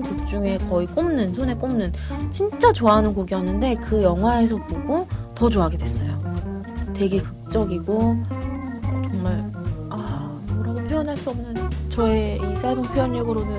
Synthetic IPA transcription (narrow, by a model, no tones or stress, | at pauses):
kuk̚t͡ɕ͈uŋe̞kʌik͈omnɯnsʰone̞k͈omnɯnt͡ɕint͡ɕ͈at͡ɕoaɦanɯnkoɡijʌnːɯnde̞kɯjʌŋɦwae̞sʰʌboɡotʌt͡ɕoaɡe̞dwes͈ʌjo | te̞ɡe̞kɯk̚t͡ɕ͈ʌɡiɡo | t͡ɕʌŋmaɭ | a | moɾaɡopʰiʌnɦaɭs͈uʌbnɯnt͡ɕʌeis͈aboŋpʰijʌɲːeɡɯɾonɯn